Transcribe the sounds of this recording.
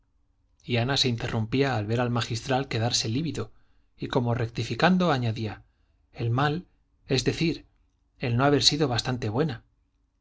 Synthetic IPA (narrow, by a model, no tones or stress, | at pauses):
ianase̞int̪e̞rʔumpiaːlβe̞ɾalmaxist̪ɾalke̞ðaɾse̞liβiðo | iko̞mo̞re̞k̚t̪ifikand̪o̞aɲaðia | e̞lmal | e̞zðe̞θiɾ | e̞lno̞aβ̞e̞ɾsiðo̞β̞ast̪ant̪e̞βwe̞na